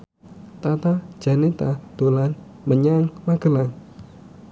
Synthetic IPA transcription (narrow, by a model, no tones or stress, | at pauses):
t̪at̪ad̥ʒ̥a̤net̪ad̪̥olan | məɲaŋmaɡ̥ə̤laŋ